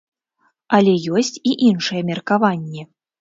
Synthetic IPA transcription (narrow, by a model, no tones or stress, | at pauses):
alʲɛjɔsʲt͡sʲiʔinʂɨjɛmʲɛrkavanʲːɛ